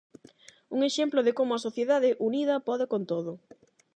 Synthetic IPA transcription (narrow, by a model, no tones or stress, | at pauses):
uŋeʃemploðɪkomʊɐsoθjeðaðɪʔuniðɐpɔðɪkont̪oð̞ʊ